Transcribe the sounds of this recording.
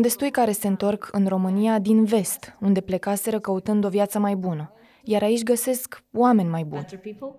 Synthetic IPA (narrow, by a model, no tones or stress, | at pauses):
und̪e̞st̪ujkaɾe̞se̞ɨnt̪o̞rkʰɨnro̞mɨnijad̪inve̞st̪und̪e̞ple̞kase̞ɾəkəut̪ɨnd̪o̞vjat̪səmajbunə | jaɾait͡ʃʲɡəse̞skwame̞nʲmajbṵn